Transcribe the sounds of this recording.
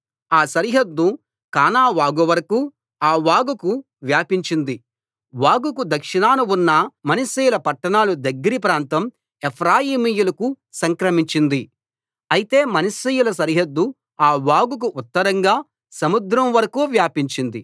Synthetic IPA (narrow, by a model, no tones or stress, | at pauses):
aːsɐɾiɦɐd̪ːu | kaːnaːʋaːɡuʋɐɾɐku | aːʋaːɡuku | ʋjaːpiɲt͡ʃind̪i | ʋaːɡukud̪ɐkʂinaːnuunːɐmɐnɐsiːjulɐpɐʈːɐɳaːlud̪ɐɡːɐɾip̬ɾaːnt̪ɐm | epʰɾaːjiːmijulɐku | sɐŋkɾɐmiɲt͡ʃind̪i | ɐjit̪e̞ːmɐnɐsijulɐsɐɾiɦɐd̪ːu | aːʋaːɡuk̬uʔːt̪ːɐɾɐŋɡaː | sɐmud̪ɾɐmʋɐɾɐkuːʋjaːpiɲt͡ʃind̪i